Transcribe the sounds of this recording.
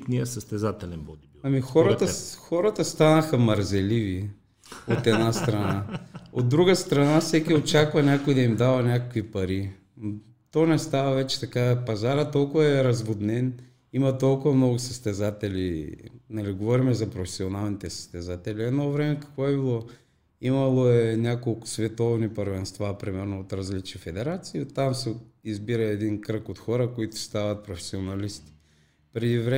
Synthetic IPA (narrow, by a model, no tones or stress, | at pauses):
t̪niəsəst̪ɛzat̪ɛlɛnbɔd̪iɐmixɔɾət̪xɔɾɐt̪əst̪anɐxɐmɐɾzɛlivi | ot̪ɛd̪nast̪ɾɐnaod̪ːɾuɡəst̪ɾɐnafsɛkʲiot͡ʃakvɐnʲakojd̪ɐimd̪avɐnʲakokvipɐɾi | t̪ɔnɛst̪avɐvɛt͡ʃɛ̥t̪ɐkapɐzaɾət̪ːɔlˠkʊvɐɛɾɐzbʊd̪nɛn | imɐt̪olˠkʊvɐmnɔɡʊsəst̪ɛzat̪ɛlinɐliɡovɔɾimɛzɐpɾofɛsionalˠnit̪ɛsə̥st̪ɛzat̪ɛliɛd̪nɔvɾɛmɛkɐ̥kvɔɛbilˠɔ | imɐlˠoɛnʲakolˠkʊ̥svɛt̪ɔvnipəɾvɛnst̪vapɾimɛɾnoot̪ɾɐzlit͡ʃifɛd̪ɛɾat̪siːot̪ːamsɛizbiɾɐɛd̪inkɾəkot̪xɔɾəkoit̪ʊ̥st̪avɐt̪̚pɾofɛ̥sionɐlist̪i̥ | pɾɛd̪ivɾɛ